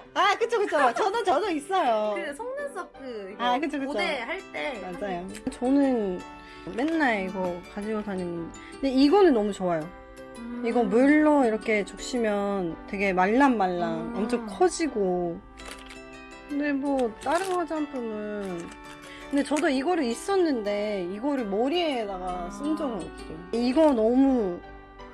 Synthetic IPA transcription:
akɯt͡ɕʰokɯt͡ɕʰot͡ɕʌdɯt͡ɕʌdois͈ʌjoɯsʰʌŋnans͈ʌkɯakɯt͡ɕʰokɯt͡ɕʰohaɭt͈emad͡ʑajoɯt͡ɕʌnɯn | me̞nːaeiɡʌkad͡ʑiɡotʰaɲimʌn | kɯndeiɡʌnɯnːʌmut͡ɕowajo | iɡʌmʌɭːʌiɾʌkʰe̞t͡ɕok̚ɕ͈imjʌntwe̞ɡe̞maɭːanmaɭːawamt͡ɕʰoŋkʰʌd͡ʑiɡo | kɯnde̞mwʌt͈aɾɯmɦad͡ʑianpʰɯmɯn | kɯnde̞t͡ɕʌdoiɡʌɾɯis͈ʌnːɯnde̞iɡʌɾɯɭmʌɾiedaɡas͈ɯnd͡ʑʌɡɯnʌkt͈oiɡʌnʌmu

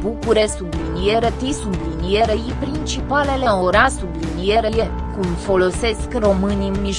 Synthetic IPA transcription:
bukuɾesublinieɾət̪isublinieɾejipɾint͡ʃipale̞leoɾasublinieɾele | kumfo̞lo̞se̞skro̞mɨniɨnmiʃ

